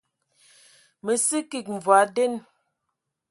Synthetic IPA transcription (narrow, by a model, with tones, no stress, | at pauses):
mə˨si˦ki˨k̚ɱ˨vwa˨˦de˦n